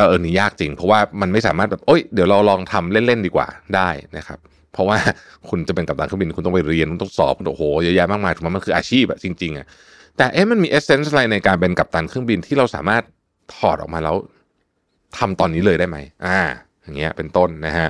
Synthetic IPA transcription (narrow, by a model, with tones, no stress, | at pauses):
ʔaː˧˩ʔɤː˧˩niː˦˥jaː˥˩k̚t͡ɕi˧ŋpʰɔ˦˥waː˥˩ma˧nma˥˩jsaː˨˦maː˥˩t̪̚bɛː˨˩p̚ʔo˦˥˩jdi˨˩˦wɾa˧wlɔː˧ŋt̪ʰa˧mle˥˩nle˥˩ndiː˧kwa̰ː˨˩daː˥˩jna˦˥kʰa̰˦˥p̚ʰɾɔ˦˥waː˥˩ | kʰu˧nt͡ɕa˨˩pe˧nka˨˩p̚t̪aː˧nkɯ˥˩bi˧n˧i˥˧nt̪ɔ˥˩pa˧jɾi˧ənku˧nt̪ɔ˥˩ŋsɔ̰ː˨˦p̚ku˧n˨hoː˩˦jɤ˦˥jɛː˥˩maː˥˩maː˧jt̪ʰwa˥ma˧kʰɯː˧ʔaː˧t͡ɕʰiː˥˩p̚a̰˨˩t͡ɕi˧ŋt͡ɕi˧ŋʔa̰˨˩ʔ | t̪ɛː˨˩ʔeː˦˥˩ma˧nmiː˧ʔe˦˥se˦˥nsla˧jna˧jkaː˧npe˧nka˨˩p̚t̪aː˧nkʰɯ˥˩əŋbi˧nt̪ʰiː˥˩ɾa˧wsaː˩˦maː˥˩t̪̚ʰ | ɔː˨˩t̪̚ɔ̰ː˨˩maː˧lɛ˦˧˥w | t̪ʰa˧mt̪ɔː˧nːiː˦˥lɤː˧daː˥˩jma˦˥jʔaː˧˩ | ja˨˩ŋːi˦˥ɐ̰˧˩pe˧nt̪o˥˩nːa˦˥kʰa˦˥ʔ